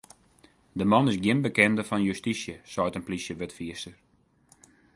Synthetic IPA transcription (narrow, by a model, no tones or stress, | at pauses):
dəmɑnɪsɡjɪnbəkɛndəfɔnjystisjəsɔjtənplisjəʋøtfiəstər